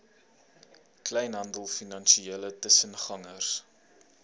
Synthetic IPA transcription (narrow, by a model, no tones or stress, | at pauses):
klɛjnɦɐndəlˠfinɐnʃieːlətəsənχɐŋərs